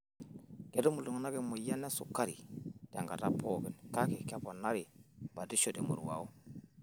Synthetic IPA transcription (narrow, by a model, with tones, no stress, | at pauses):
ke˨to˦mu˨lu˨ŋna˦ɡe˦mu˨ja˦nːe˦sṵ˨kːa˦ɾḭ˨ta˨ŋɡa˨ta˦pʰo˦ɡi˨nka˦ki˨ka˦po˨na˦ɾi˨b̥a˨di˦ʃo˨de˨mṵ˨ɾwa̰˨o˦